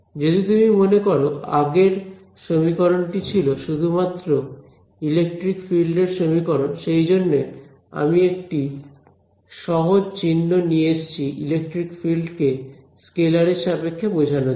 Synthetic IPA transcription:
d͡ʑod̪it̪umimonekoɾoa̰ɡeɾ | ʃomikɔɾonʈit͡ɕʰiloʃud̪ʱumat̪ːɾo | ilek̚ʈɾikfilɖeɾʃomikɔɾonʃejd͡ʑonːe | a̰miekʈi | ʃɔɦod͡ʑt͡ɕinːonieeʃt͡ɕʰiʔḭlek̚ʈɾikfilɖke | skelaɾeʃapekʰːebod͡ʑʱano

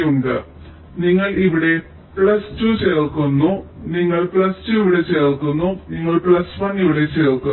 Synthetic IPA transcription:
juɳɖɨ | niŋːɐɭiʋiɽe̞ | pɭɐstuːt͡ɕerkːunːuniŋːɐɭpɭɐstuiʋiɽe̞t͡ɕerkunːuniŋːɐɭpɭɐsʋɐniʋiɽe̞t͡ɕerkːu

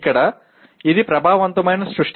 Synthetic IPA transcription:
kɐɽɐ | id̪ipɾɐbʱaːʋɐʋɐnt̪umɐjnɐsɾuʂʈ

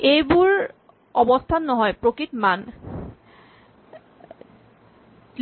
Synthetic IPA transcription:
ejbuɹ | ɔbɔst̪ʰanːɔɦɔjpɹokɹitman

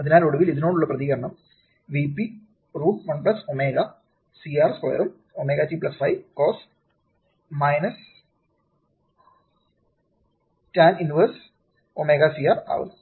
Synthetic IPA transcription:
ɐðinaːloɽuʋiliðinoːɳɖuɭːɐprɐðiɣɐɾɐɳɐm | ʋipːi | ruːʈmɐɳplɐsomeːɣɐ | siaːrsko̰ːɐ̰ɾum | omeːɣɐt͡ɕipɭɐsfɐjkoːs | mɐjnɐs | taːninʋɐrs | omeːɣɐsiaːra̰ːʋɐ̰n

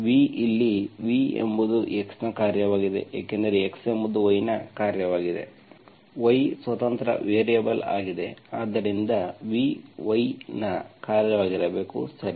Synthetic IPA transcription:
ʋiilːiʋiḛmbud̪uʔeksnɐkaːɾjɐʋaːɡid̪e̞̰ja̰ːkend̪ɐɾeekse̞mbud̪uʋɐjnɐkaːɾjɐʋaːɡid̪e̞̰ | ʋɐjsʋɐt̪ɐnt̪ɾɐ̰ʋeːɾijɐbɐla̰ːɡid̪e̞aːd̪ːɐɾind̪ɐʋiʋɐjnɐkaːɾjɐʋaːɡiɾɐbe̞ːkṵsɐɾi

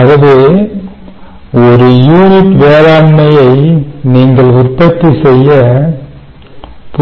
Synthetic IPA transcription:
ɐɣɐʋeː | ɔɾɯjuːnɪʈʋeːɾaːɳmɐjɐɪniːŋɡɐɭʊrpɐt̪ːisɛjːɐ | p

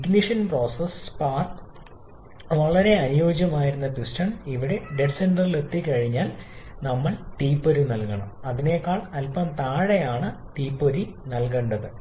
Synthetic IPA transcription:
kniʂɐnpro̞ːsɐspaːrt̪ | ʋɐɭɐɾe̞ɐnujo̞ːd͡ʑjɐmaːjiɾunːɐpisʈɐɳiʋiɽe̞ɖeʈsenɖɐrile̞t̪ːikɐɻiɲːaːlnɐmːɐɭt̪iːpːoɾinɐlkɐɳɐ̰mɐðine̞kːaːɭɐlpɐmt̪aːɻejaːɳɨt̪iːpːoɾinɐlkeɳɖɐðɨ

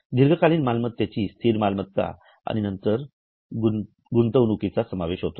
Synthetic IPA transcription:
d̪iɾɡʱəkaliːnmalmət̪jat͡ɕiːst̪ʰiːɾmalmət̪ːa̰ | a̰ñinənt̪əɾ | ɡu | ɡunt̪əʋnukit͡sasəmaʋeɕɦot̪o̥

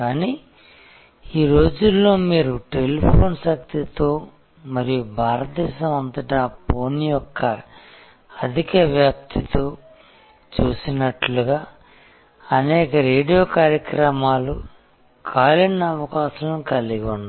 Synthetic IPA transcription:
kaːniː | iːɾo̞ːd͡ʒulːo̞ːmiːɾuʈe̞lipʰo̞ːnsɐk̚t̪it̪o̞ː | mɐɾijubʱaːɾɐt̪̚ːɛːʃɐmɐnt̪ɐʈaːpoːnijɔkʰːɐ | ɐd̪ʱikɐʋjaːp̚t̪ʰit̪oː | t͡ʃuːsinɐʈluɡaː | ɐnɛːkɐɾeːɖijo̞ːkaːɾjɐkɾɐmaːlṵ | kʰaːlinːɐɐʋɐkaːʃɐnkɐliɡunːa

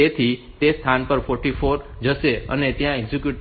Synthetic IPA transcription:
et̪ʰi | t̪est̪ʰanpəɾfɔɾʈifoɾ | d͡ʒəʃeə̰net̪jãɛɡzikjuʈ

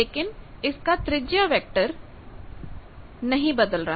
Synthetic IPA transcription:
leːkɪnɪskat̪ɾɪd͡ʒjaʋɛːk̚ʈəɾ | nɐɦĩbɐd̪əlɾə

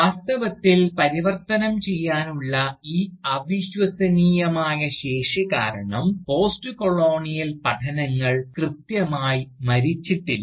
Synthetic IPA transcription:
ʋaːst̪ɐʋɐt̪ːilpɐɾiʋɐrt̪ɐnɐmt͡ɕe̞jːaːnuɭːɐiːɐʋiɕʋɐsɐniːjɐmaːjɐɕe̞ːʂika̰ːɾɐɳɐmpo̞ːstɨkoɭo̞ːɳijɐlpɐʈʰɐnɐŋːɐɭkrɨt̪jɐmaːjimɐɾit͡ɕːiʈːil

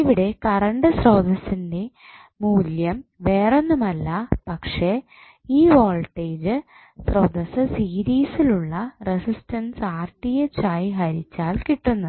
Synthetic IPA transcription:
iʋiɽe̞kɐɾɐɳɖɨsroːd̪ɐsinde̞ | muːljɐmʋe̞ːre̞nːumɐlːɐpɐkʂe̞ | iːʋo̞ːlʈːeːd͡ʑɨ | sroːd̪ɐsɐsiːɾiːsiluɭːɐresistɐnsaːrʈːijet͡ɕːaːjiɦɐɾit͡ɕːaːlkiʈːunːɐ

